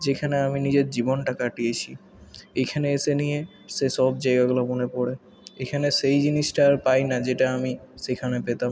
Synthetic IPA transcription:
d͡ʑekʰaneaminid͡ʑeɾd͡ʑibonʈakaʈiet͡ɕʰi | ekʰaneeʃenije | ʃeʃɔbd͡ʑajɡaɡulabonepɔɽe | ekʰaneʃejd͡ʑiniʃʈaɾpajnad͡ʑeʈaamiʃekʰanepet̪am

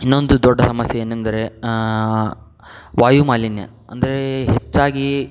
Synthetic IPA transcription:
inːo̞nd̪ud̪ɔɖːɐsɐmɐsjɐeːnend̪ɐɾe̞ | ʋaːjumaːlinjɐ̰ | ɐ̰nd̪ɐɾe̞ɦet͡ʃːaːɡi

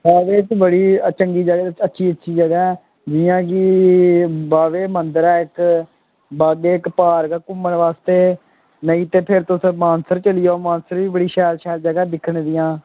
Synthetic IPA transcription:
aːʋeːt̪bəɽiːt͡ʃəŋɡiːd͡ʒəɡətːʃʰiːətːʃʰiːd͡ʒəɡɛːɛː | d͡ʒɪjãːkiː | baːʋeːmənd̪əɾɛːɪk | baːɡeːɪkpaːɾkaːkʊmːəɳʋaːst̪eː | nəiːt̪eːpʰɪɾt̪ʊsəmãːnsəɾt͡ʃəlɪjaːmãːnsəɾʋiːbəɽiːʃɛːlʃɛːld͡ʒəɡɛːd̪ɪkʰːəɳd̪ɪjãː

